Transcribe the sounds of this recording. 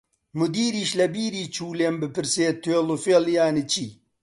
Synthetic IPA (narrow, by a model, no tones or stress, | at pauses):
mud̪iːɾiːɕlɐbiːɾiːt͡ɕʰuːlembepiɾseːt̪ʰelofjeljaːnit͡ɕi